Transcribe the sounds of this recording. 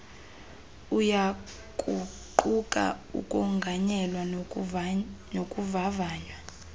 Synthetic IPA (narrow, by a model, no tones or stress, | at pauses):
uja | kʼuǃʼukʼa̰ṵkʼɔŋɡʱaɲɛlwa | nokʼuvavaːɲwa